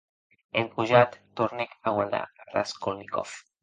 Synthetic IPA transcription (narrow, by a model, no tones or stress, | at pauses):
emkuʒat̪ːoɾnekaɣwaɾd̪a̰ra̰skolnikɔ̰f